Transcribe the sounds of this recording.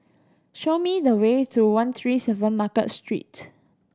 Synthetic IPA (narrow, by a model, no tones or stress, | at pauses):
ʃomidəwetʰuwãnt̪ʰɹisɛvə̃nmakə̰tstɹḭt